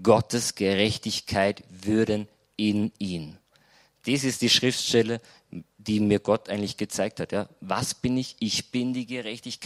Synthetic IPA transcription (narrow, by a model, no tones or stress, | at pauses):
ɡ̥ɔtʰəsɡ̥əʁɛçtɪçkʰaɪtvʏɐdən | ɪniːn | d̥iːsɪstd̥iːʃʁ̥ɪftʃtɛlə | d̥iːmiːɐɡɔtʔaɪɡətlɪçɡ̥ət͡saɪk̚thatjaːvasb̥ɪnɪçʔɪçb̥ɪndiːɡəʁɛçtɪçk